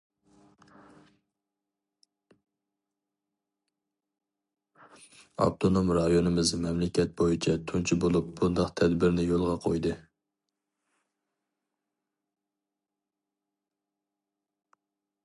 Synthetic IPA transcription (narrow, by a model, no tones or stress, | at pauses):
ɑ̰p̚t̪ʰonomɾɑjonɨmɪzmɛmlɪkʲʰɛt̪̚bojit͡ʃʰɛt̪ʰunt͡ʃʰibolˠup̚bund̪ɑqt̪ʰɛd̪bɪɾnɪjolˠʁɑqʰo̰jd̪ɨ